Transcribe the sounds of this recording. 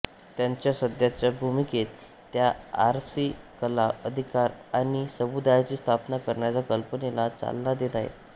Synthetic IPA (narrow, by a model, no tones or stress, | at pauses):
t̪jaɲt͡ɕjasəd̪jat͡ɕjabʱumiket̪ː | jaaɾsikəlaəd̪ʱikaɾañisəmud̪ajat͡ɕiːst̪ʰapnakəɾɳjat͡sakəlpənelat͡sa̰lːad̪et̪aɦḛt̪